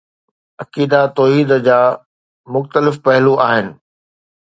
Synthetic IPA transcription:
ɐkiːd̪at̪ɔːɦiːd̪d͡ʑaː | mʊxt̪əlɪfpɐɦluaːɦɪnɪ̆

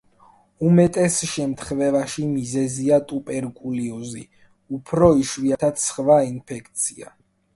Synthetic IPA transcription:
umɛt̪ʼɛsʃɛmt̪ʰχvɛvaʃimizɛziat̪ʼupʼɛɾkʼuliuzḭ | upʰɾɔiʃviat̪ʰat̪sχvainpʰɛkʰt̪sʰia̰

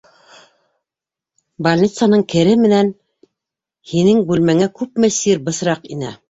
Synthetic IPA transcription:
bɐlʲnʲit̪sanɤɴkɘ̆ɾɘmɘ̆næn | hinɘŋbʉlmæŋækʉpmɘ̆siɾbɤ̆sɾɑqinæ̰

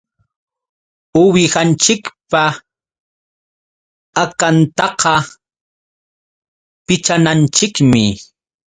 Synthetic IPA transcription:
ʊwɪhant͡ʃɪkpa | akant̪ɑqɑ | pɪt͡ʃanant͡ʃɪkmɪ

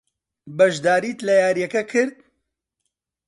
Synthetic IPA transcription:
bɐʒd̪aːɾiːt̪lɐjaːɾjɛkɐkʰɨɾd̪̚

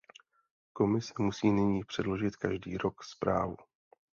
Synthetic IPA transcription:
ko̞mɪsɛmusiːnɪɲiːpr̝̥ɛdlo̞ʒɪt̪kaʒdḭːɾo̞kspɾa̰ːvu

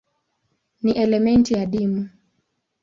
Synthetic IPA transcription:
niʔɛlɛmɛntijaɗimu

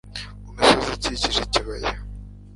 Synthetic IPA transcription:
umisoziciciʒeciβajḛ

